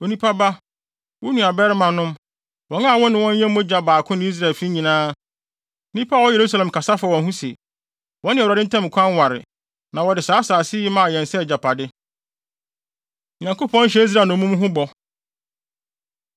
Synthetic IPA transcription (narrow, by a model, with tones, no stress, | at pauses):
o˨nĩ˦pʰa˦ba˦ | wʊ˦nũ˨a˨bɛ˦ɾɪ˦mã˨nʊ̃˦m | wɔ̃˨˦ŋa˦˨wɔ̃˦nɪ̃˨wɔ̃˦ɲ˦ɲɛ̃˦m˦mʊ̃˦d͡ʑa˨baː˨kʰʊ̃˦nɪ̃˨˦i˦s̬ɾa˨lfi˦ɲĩ˨nãː˦˨ | nĩ˦pʰa˦˨wɔ˦je˨ɾu˦s̬a˦lɛ̃˨m˨kʰa˨sa˦fa˨wɔ̃˨nɦũ˦sḛ˨ | wɔ̃˦nɪ̃˨a˨dɪ˦tʰã˦m˨kʷʰã˦nwa˨ɾɪ̰˨ | nã˨wɔ˨dɪ˨saː˨˦saː˨sɪ˦mã˨jɛ̃˨n˨sɛ˦˨d͡ʑa˨pʰa˨dɪ˦ | ɲã˨ŋko˦pʰɔ̃˦n̩˦ɕ̬ɛ˦i˦s̬ɾaː˨nʊ̃˨˦mũ˦m˦ɦʊ̃˦bɔ˨